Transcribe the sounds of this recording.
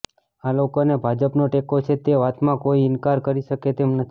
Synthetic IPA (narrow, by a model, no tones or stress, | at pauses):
alokonebʱad͡ʒəpnoʈekot͡ʃʰet̪eʋat̪mãkoiɪnkaɾkəɾiʃəket̪emnət̪ʰ